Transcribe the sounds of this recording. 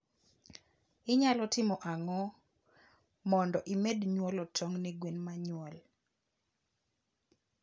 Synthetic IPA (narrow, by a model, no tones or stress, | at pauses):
ɪɲalɔtɪmɔʔaŋɔ | mɔndɔʔimedɲwɔlɔtʰɔŋnɛɡwenmaɲwɔl